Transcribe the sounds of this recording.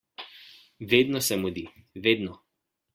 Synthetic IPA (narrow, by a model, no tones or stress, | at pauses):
ʋeːd̪nɔsɛmud̪iʋeːd̪nɔ